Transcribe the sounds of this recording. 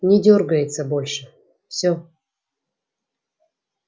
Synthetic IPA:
nʲɪdʲorɡəjɪt̪səbolʲʂɨ | fsʲo

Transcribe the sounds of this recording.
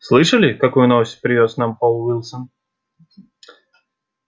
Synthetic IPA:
slˠɨʂəlʲɪkɐkujʊnovəsʲt̚ʲpɾʲɪvʲosnampolˠvilˠsən

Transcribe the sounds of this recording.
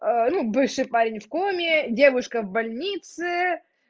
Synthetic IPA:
ənubɨfʂɨjpaɾʲɪnʲfkumʲɪdʲe̞vʊʂkəvbɐlʲnʲit̪sɨ

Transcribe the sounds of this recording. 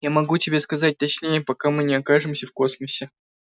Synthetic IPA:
jamɐɡutʲɪbʲe̞skɐzat̚ʲt̪ɐt͡ɕnʲejəpɐkamɨnʲɪɐkaʐɨmsʲəfko̞sməsʲɪ

